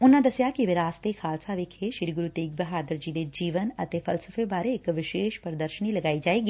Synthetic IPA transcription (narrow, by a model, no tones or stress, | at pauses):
ʊnːãd̪ɐsjakiʋɪɾaːst̪exʰaːlsaʋeːkʰeʃɪɾiɡʊɾut̪eːk̚bɐɦaːd̪əɾd͡ʒiːd̪ed͡ʒiːʋənɐt̪efʰɐlsəfebaːɾeːkʋɪʃeːʃpəɾd̪əɾʃənilɐɡaːid͡ʒaːeːɡi